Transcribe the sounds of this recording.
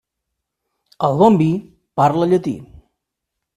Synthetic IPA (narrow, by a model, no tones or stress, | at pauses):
əlˠɣombi | paɾləʎət̪ḭ